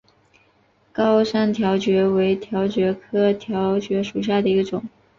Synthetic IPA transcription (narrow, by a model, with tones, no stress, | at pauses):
kɑ˥ʊʂa˥˩nt̪ʰjɑ˧˥ʊt͡ɕɥɛ˧˥we˧˥ɪt̪ʰjɑ˧˥ʊt͡ɕɥɛ˧˥kʰɤ˥t̪ʰjɑ˧˥ʊt͡ɕɥɛ˧˥ʂu˨˩ɕ̬ja˥˩d̪ə˩i˧˥ɡə˧ʈ͡ʂʊ˨˩˦ŋ